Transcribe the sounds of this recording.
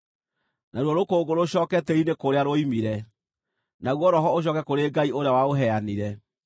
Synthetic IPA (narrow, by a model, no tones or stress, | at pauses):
naɾwɔɾokoːɡoɾoɕɔːkɛtɛɾinekoɾeaɾoimiɾɛ | naɣwɔɾɔɦɔoɕ̬ɔkɛkoɾeːɡaioɾeawaoɦɛaniɾɛ